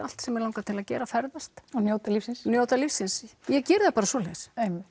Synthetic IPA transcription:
al̥t̪sɛmɛɾlawŋkat̪ʰɪlaðcɛːɾafɛɾðast̪njoːwt̪alifsɪnsnjoːwt̪alifsːɪnsjɛcɛːɾðapaːɾasɔːlɛɣsejmɪ

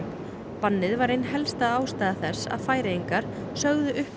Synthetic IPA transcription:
panːɪðvaɾejnɦɛlst̪aðaːwst̪ajðaθɛsːa̰ðfaːjɾejiŋkaɾ̥ | sœɣðʏʔʏhp

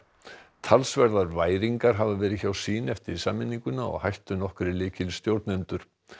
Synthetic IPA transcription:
t̪ʰalsvɛɾðaɾvaːjɾiŋkaɾ̥ɦavavɛːɾɪðçawsiːnɛft̪ɪɾisaːmɪnːiŋkʏnaɔ̰ɣhajht̪ʏnɔhkʏɾɪlɪːcɪlst̪jowɾt̪nœnt̪ʏɾ̥

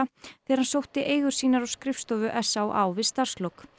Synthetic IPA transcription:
aθɛːðɾhansowht̪ɪʔeːjɣʏɾ̥siːnaɾawskɾɪfst̪ɔːvʏʔɛsːawʔa̰wvɪðst̪ar̥st̪lɔk

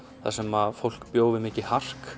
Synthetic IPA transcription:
θa̰sɛmaðfowl̥kpjoːwvɪmɪːcɪhar̥k

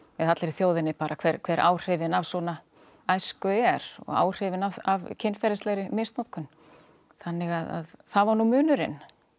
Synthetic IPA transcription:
vɪðat̪lɛɾɪθjoːwðɪnɪpaːɾʔakʰvɛɾkʰvɛɾʔa̰ːwr̥ɪvɪnavsɔna | ajskʏɛɾɔ̰ɣa̰ːwr̥ɪvɪnavavcʰɪnfɛɾɪst̪ɛɣɾɪmɪst̪nɔt̪kʏn | θanːɪɣaða̰ðθaðvaɾnumʏːnʏɾɪn

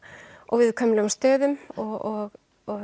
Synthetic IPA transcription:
ɔɣvɪðkʰœːmɪlʏmst̪œːðʏmɔɣɔɣ | ɔ

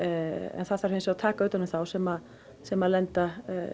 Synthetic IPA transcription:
ɛ̰nθaðθfaɾ̥ensat̪ʰaːkaœːt̪anʏmθawsɛma | sɛmalɛnt̪a

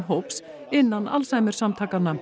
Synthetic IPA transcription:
ɦowps | ɪnːanːa̰lsaːjmɪɾ̥samt̪ʰaːkanːa

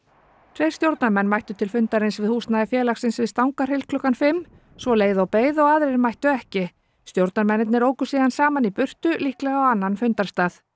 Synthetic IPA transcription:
t̪ʰɾejɾ̥st̪jowɾt̪naɾmɛnːmajht̪ʏt̪ʰɪlfʏnt̪aɾejnsvɪðhuːsnaðɪfjɛːlaxsɪnsvɪðst̪awŋkar̥hɪlkʰlʏkanfɪmː | svɔleːjðʏawpeːjðɔɣaːðɾɪɾmajht̪ʏɛhcɪ | st̪jowɾt̪naɾmɛnːɪt̪nɪɾoːwkʏ̥siːðansaːmanipʏr̥t̪ʏlihklɛɣawanːanfʏnt̪aɾ̥st̪aːθ

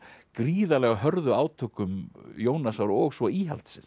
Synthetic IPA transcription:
kɾiːðalɛɣaɦœɾðʏaːwt̪ʰœːkʏmjoːwnasawɾɔɣsvɔiːɦa̰l̥t̪sɪns

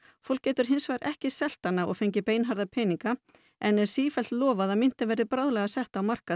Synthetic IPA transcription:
fowlkcːɛːt̪ʏɾ̥ɦɪnsvajɾʔɛhcɪsɛl̥t̪ːanːaɔ̰ɣfejɲcɪpeːjnɦaɾðapʰɛːniŋka | ɛnɛɾ̥siːfɛlt̪lɔːvaðaðmɪn̥t̪ɪvɛɾðɪpɾaːwðlɛɣasɛht̪awmar̥ka

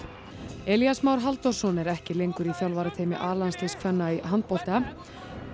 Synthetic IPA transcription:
ɛljasmaːwɾ̥ɦalt̪ɔr̥sɔnɛɾɛhcɪlejŋkʏɾiθjawlvaːɾat̪ʰeːjmɪ̰ʔaːlanst̪iskʰvɛnːaiɦant̪̚pɔwl̥t̪ɪa

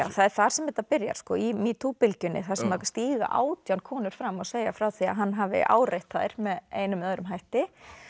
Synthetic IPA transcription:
aːwθaðɛɾ̥θaɾ̥sɛmvɛt̪ːapɪɾja̰ɾ̥skɔːimit̪ʰuːpɪlcʏnːɪ̰θḁsɛmakst̪iːɣa̰ʔa̰ːwt̪jankʰɔːnʏɾ̥fɾamːɔɣseːjafɾaːwθia̰ɦanːɦaːvɪ̰ʔa̰ːwrejht̪aðɪɾ̥mɛðeːjnʏmœðɾʏmɦajht̪ɪ

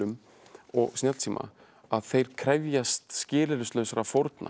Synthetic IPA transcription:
ʏm | ɔ̰ɣsnɛlt̪ʰiːmʔa̰ | aðθejɾ̥kʰɾɛvjast̪scɪːlɪɾʏst̪lœːɥsaɾafowɾt̪nʔa̰

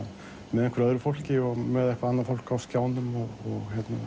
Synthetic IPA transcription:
mɛðɛŋkʰvʏɾœðɾʏfol̥cɪɔmɛðɛhkvaanːaɾfol̥kawvskjaːwnʏmɔɔɣhɛt̪na

